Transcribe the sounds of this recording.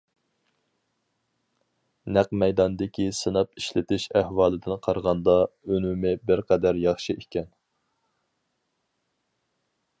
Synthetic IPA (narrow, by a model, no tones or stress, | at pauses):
næqmɛjd̪ɑnd̪ɪkʲʰisɨnɑp̚iʃlɪt̪ʰɪʃæhwɑːlˠɨd̪ɨnqʰɑɾʁɑnd̪ɑønumɪbɪɾqʰæd̪æɾjɑχʃiʔekʲɛn